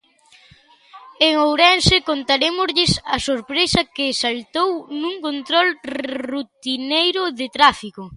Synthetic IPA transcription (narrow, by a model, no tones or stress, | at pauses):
eŋowɾɛnsɪkont̪aɾemozʎɪsɐsoɾpɾesɐkɪːsalt̪ownuŋkont̪ɾɔlrut̪inejɾʊðɪt̪ɾafikʊ